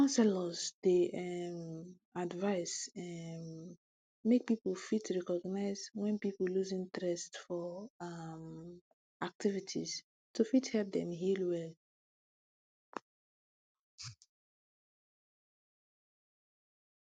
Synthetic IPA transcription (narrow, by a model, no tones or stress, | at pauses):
kãnsɛlɔzdeʔɛm | advaɪsɛ | mek̚pipəlfitɹɛkɔɡnaɪzwɛ̃npiplluzĩŋt̪ɹɛstfɔam | ak̚tivitʰis | tʰufithɛlp̚dɛ̃mɦilwɛl